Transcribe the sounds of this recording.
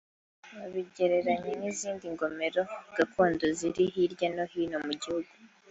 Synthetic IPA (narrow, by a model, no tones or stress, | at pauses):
aβiɟe̞ɾe̞ɾaɲeniziːndiŋɡo̞me̞ɾo̞ɡ̥akʰuːndo̞ziɾiɦiɾɟano̞hiːno̞muɟihuɡu